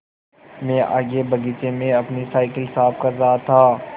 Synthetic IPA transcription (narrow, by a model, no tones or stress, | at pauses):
mẽːʔa̰ːɡebɐɡit͡ʃemẽɐpnisaːɪkɪlsaːpkɐɾzaːt̪ʰaː